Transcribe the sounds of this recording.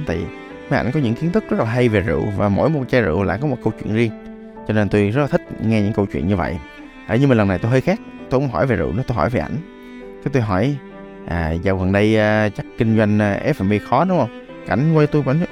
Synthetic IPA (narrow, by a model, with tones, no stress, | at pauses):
t̪a̰˧˩˨ | ma˨˦ʔa̰˧˩jŋ̟kɔ˨˦ɲɨ̰˧˥ŋki˨˦ənt̪ɨ˦˥k̚zə˦˥t̚la˨˩ɦa˧jve˨˩zɨ̰˧˨vaː˨˩mo̰˧˥jmo˨˩t̚t͡ɕa˧zɨ̰˧˨wla̰ː˧˨jkɔ˨˦mo˨˩t̚kə˧wt͡ɕwḭ˧˨ənzi˧əŋ | t͡ɕɔ˧ne˧nt̪u˧jzə˦˥t̚laː˨˩ï˦˥k̟̚ŋɛ˧ɲɨ̰˧˥ŋkə˧wt͡ɕwḭ˧˨ənɲɨ˧və̰˧˨j | ɗa̰ː˧˨˩ɲɨ˧mː˨˩nlə˨˩nːa˨˩jt̪o˧jɦəː˧jxaː˦˥k̚t̪o˧kʊ˧˦ŋ͡mɦɔ˧˩jve˨˩zṵ˧˨ʔnɨ˨˦t̪o˧jɦɔ̰˧˩jve˨˩ʔa̰˧˩jŋ̟ | kɛ˨˦t̪u˧jɦɔ˧˩j | ʔaː˨˩za˨˩wɣə˨˩nɗə˧jːt͡ɕa˦˥kkï˧ŋ̟zwa˧jŋ̟ː˧ʔɛ˦˥f̚ɛ˧nɓe˧xɔ˨˦ɗʊ˨˦ŋ͡mʔə˧wŋ͡m | ka̰˧˩jŋ̟kwe˧t̪u˧jka˧˩jn